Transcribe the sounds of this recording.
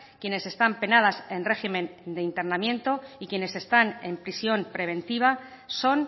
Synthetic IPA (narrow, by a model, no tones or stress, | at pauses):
kje̞ne̞se̞st̪ampe̞nað̞ase̞nre̞ximẽ̞nd̪e̞int̪eɾnamjẽ̞nt̪o̞ikje̞ne̞se̞st̪ane̞̰mpɾisjo̞mpɾe̞β̞e̞nt̪iβ̞a | so̞n